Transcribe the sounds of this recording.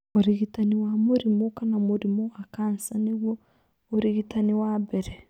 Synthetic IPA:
oɾiɣitaniwamuɾimokanamoɾimoakansaneɣwo | oɾiɣitaniwabɛɾɛ

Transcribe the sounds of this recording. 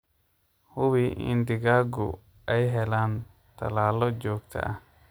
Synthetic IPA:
hʊβiʔɪ̰nd̪ɪɣaːɡʊ̰ | ɛjɦɛlaːn | t̪ʰɐ̰laːlɔt͡ʃɔːɡt̪ʰɐ̰ʔɐh

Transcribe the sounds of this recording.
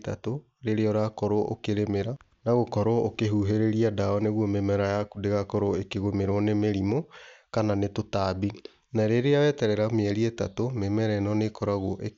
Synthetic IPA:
ta̰to | ɾeɾeɔɾakɔɾoʔokeɾemeɾa | naɣokɔɾɔokeɦuɦeɾeɾiadaɔneɣwɔmemɛɾajakudeɣakɔɾoekeɣomeɾwɔnemeɾimokananetotabi | naɾeɾeawɛtɛɾɛɾameɛɾieta̰tomemɛɾɛnɔnekɔɾaɣɔʔe

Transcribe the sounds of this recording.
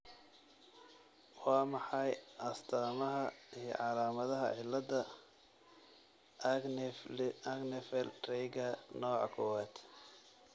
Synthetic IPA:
wɑːmɑħɑjʔɐst̪ʰaːmɐɦɐijɞ̰ʕɑlaːmɐðɐɦɐ̰ʕɪlːɐd̪ɐ | ɐɡnɛfɛlrɛjɡɐnɔːʕɑ̰kʰɔwaːt̪

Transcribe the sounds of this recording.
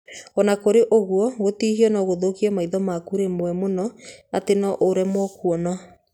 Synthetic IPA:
ɔnakoɾeʔoɣwɔɣotiːhiɔnɔɣoðokiɛmaiðɔmakuɾemwɛmonɔatenɔʔoɾɛmwɔkuɔnɔ

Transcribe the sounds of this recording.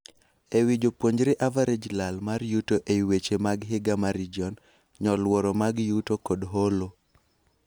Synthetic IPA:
ewid͡ʒopwoɲd͡ʒɾeʔavaɾed͡ʒlalmaɾjutoʔeiwet͡ʃemaɡɦɪɡamaɾid͡ʒiɔn | ɲɔlwɔɾɔmaɡjutokodɦolo

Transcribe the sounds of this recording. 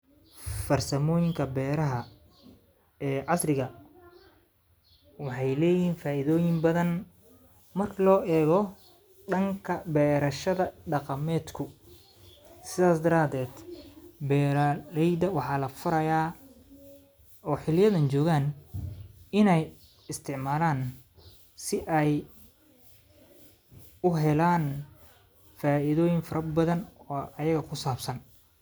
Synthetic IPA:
fɐrsɐmɔːjɪŋkʰɐbɛːɾɐɦɐ | ɛːʕɑsrɪɣɐ | wɑħɑjlɛːjiːnfaːʔɪðɔːjɪmbɐðɐn | mɐrkʰɐlɔːʔɛːɣɔ | ɖɐŋkʰɐbɛːɾɐʃɐðɐɖɑqɑmɛːd̪kʰʊ | sɪðaːsd̪ɐɾaːd̪ɛːd̪bɛːɾlɛjd̪ɐwɑħɑːlɐfʊɾɐjaː | ɔːħɪlɪjɐðɐnt͡ʃɔːɣaːn | ɪnɛj | ɪst̪ʰɪʕmaːlaːn | sɪʔɛj | ʊɦɛlaːn | faːʔɪðɔːjɪŋfɐɾɐbɐðɐnɔːɐjɐɣɐkʰʊsaːbsɐn

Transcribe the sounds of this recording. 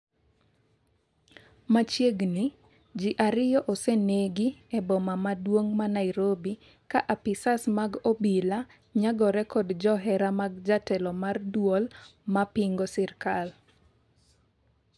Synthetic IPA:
mat͡ʃjeɡni | d͡ʒiʔaɾɪjɔʔoseneɡiɛbɔmamadwoŋmanaɪɾobi | kaʔapɪsasmaɡobila | ɲaɡɔɾɛkɔdd͡ʒɔɦɛɾamaɡd͡ʒatɛlɔmardwolmapɪŋɡɔsɪrkal

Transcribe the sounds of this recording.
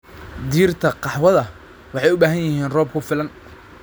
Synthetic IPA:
d̪iːrt̪ʰɐqɑħwɐðɐ | wɑħɑjʊbaːɦɐnjɪɦiːnrɔːb̚kʰʊfɪlɐn

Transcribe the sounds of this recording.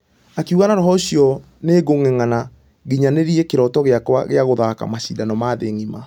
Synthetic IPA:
akiuɣanaɾɔɦɔoɕiɔ | neːɡoŋeŋana | ɣiɲaneɾiɛkeɾɔtɔɣeakwa̰ɣeaɣoðaka̰maɕidanɔmaðeŋima

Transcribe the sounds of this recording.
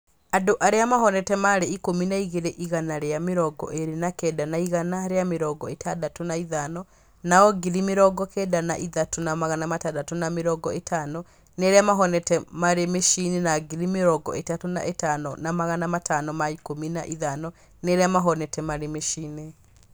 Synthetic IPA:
adoʔaɾeamaɦɔnɛtɛmaɾeikominaiɣeɾeʔiɣanaɾeameɾɔɡɔ̰ʔeɾenakɛdanaiɣanaɾeameɾɔɡɔetʰadatonaiðanɔ | naɔɡiɾimeɾɔɡɔkɛdana̰ʔiðatonamaɣanamatadatonameɾɔɡɔetʰanɔ | neɾeamaɦɔnɛtɛmaɾemeʃinenaɡiɾimeɾɔɡɔ̰ʔetatona̰ʔetanɔnamaɣanamatanɔmaikomina̰ʔiðanɔ | neɾeamaɦɔnɛtɛmaɾemeʃiːne

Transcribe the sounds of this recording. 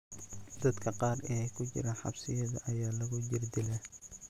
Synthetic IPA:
d̪̥ɐd̪kʰɐqɑːrɛːkʰʊt͡ʃɪ̰ɾɐħɑ̰bsɪjɐðɐ̰ʔɐjaːlɐɣʊd͡ʒɪrd̪ɪlɛ

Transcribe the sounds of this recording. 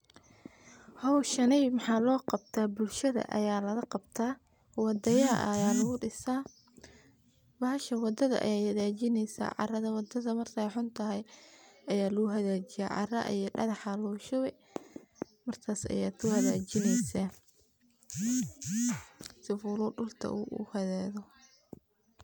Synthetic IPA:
hɔwʃɐnɛjmɑħɑːlɔːqɑbt̪ʰaːbʊlʃɐðɐ̰ʔɐ̰jaːlɐɣɐqɑbt̪ʰaː | wɑd̪ɐjɐʔjaːlɐɣʊɖɪsaː | bɐʃɐwɑd̪ɐðɐ̰ʔɐ̰jaːhɐðaːt͡ʃɪnɛjsa̰ʕɑ̰rɐðɐwɑd̪ɐðɐmɐrt̪ʰɐjħʊnt̪ʰɐɦɛjɐjaːlɐɣʊɦɐðaːt͡ʃɪja̰ːʕɑ̰rɐ̰ʔijɔɖɐðɑħɑlɔːʃɔwɛ | mɐrkʰaːsɐ̰jaːt̪ʰʊhɐðaːt͡ʃɪnɛjsa | sɪfuːlʊɖʊlt̪ʰɐ̰ʔuʊ̰hɐðaːðɔ

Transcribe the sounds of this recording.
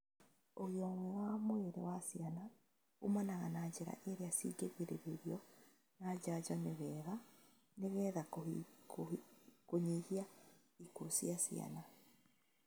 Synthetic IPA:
oɣjɔŋɛwamoeɾewasiana | umanaɣanad͡ʑeɾa̰ʔeɾeasiɡeɣeɾeɾeɾjɔ | nad͡ʒad͡ʒaneβɛːɣa | neβɛːðao | koɲehia | ikosjasḭa̰na

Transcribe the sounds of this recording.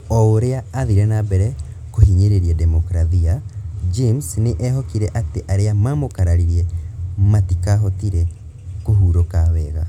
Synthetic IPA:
ɔoɾeaːðiɾɛnabɛɾɛ | kohiɲeɾeɾiɛdɛmɔkɾaðiad͡ʒemsneʔɛɦɔkiɾɛʔateʔaɾeamamokaɾaɾiɾiɛmatikaɦɔtiɾɛ | koɦuɾokawɛɣa̰

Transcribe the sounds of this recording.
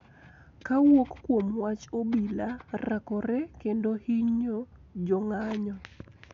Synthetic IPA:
kawokːwomwat͡ʃobilarakɔɾɛkendohiɲod͡ʒɔŋaɲɔ

